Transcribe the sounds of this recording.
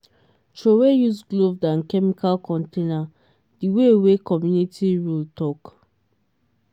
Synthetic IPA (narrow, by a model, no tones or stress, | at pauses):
t͡ʃowejusɡlovdãnkɛmikʰalkɔ̃ntena | d̥iwewekɔmjunitiɹultɔk